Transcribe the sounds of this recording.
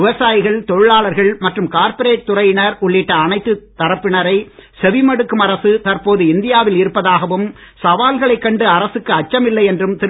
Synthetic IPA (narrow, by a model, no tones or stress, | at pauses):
ɪʋɐsaːjɪɣɐɭt̪ɔɻɯɭaːɭɐɾɣɐɭmɐʈrɯmkaːɾpɐɾeːʈ̚t̪ːʊrɐjɪnɐɾʊɭːɪʈːɐːnɐɪt̪ːɯt̪ːɐɾɐpːɪɳɐɾɐɪsɛʋɪmɐɽɯkːɯmɐɾɐsɯt̪ɐrpoːðɯɪnd̪ɪjaːʋɪlɪɾɯpːɐðaːɣɐʋɯmsɐʋaːlɣɐɭɐɪkːɐɳɖɯɐɾɐsɯkːɯɐt͡ʃːɐmɪlːɐɪɛndrɯmt̪ɪ